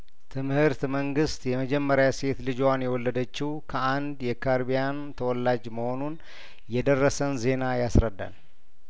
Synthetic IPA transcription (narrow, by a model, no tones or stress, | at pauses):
t̪ʰɨmhɨɾt̪məŋɡɨst̪jɛməd͡ʒɛmːəɾjase̞t̪lɨd͡ʒwanjɛwɔlːəd̪ət͡ʃːɪhukʰəʔand̪jɛkʰaɾbijant̪ʰəwɔlːad͡ʒməho̞nun | jɛd̪ərːəsənze̞najasɾəd̪ːa̰n